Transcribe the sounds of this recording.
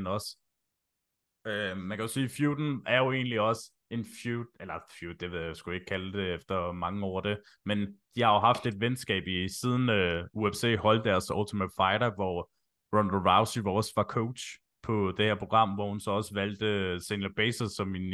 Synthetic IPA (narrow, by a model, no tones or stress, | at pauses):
nɒ̽s | ømænkʰæjosiːfjuːd̥n̩æɐjo̝e̝̰ːnliɒ̽s | e̝nfjuːd̥̚elɐfjuːd̥̚e̝ʋe̝ð̰ˠjasɡ̥uje̝ɡ̥ə̥kʰæləd̥e̝efd̥ɐmɑ̈ŋəɒ̰ːd̥e̝ | mend̥ihɑ̈jo̝ɦɑ̈fd̥le̝d̥ʋensɡ̥ɛ̰ːb̥isiːð̞ˠn̩øuːeb̥se̝̰ːhɒ̽l̰d̥d̥æɐso̰lt͡sʰimæd̥fɑ̈ɪɾ̥ɐʋɒ̥ | ʁondʁɑ̈ʊsiʋɑɒ̽sʋɑ̈kʰoʊd̥ɕ | pʰɒ̽d̥e̝heɐpʰʁo̝ɡ̥ʁɑ̈m̰ʋɒhunsɒ̽ɒ̽səʋæl̰d̥əsenæb̥eːsɐsɒ̽min